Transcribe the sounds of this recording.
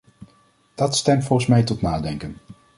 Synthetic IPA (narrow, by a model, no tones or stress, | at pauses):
d̥ɑtstɛmtfɔlˠχəsmɛjtɔtnaːdɛŋkən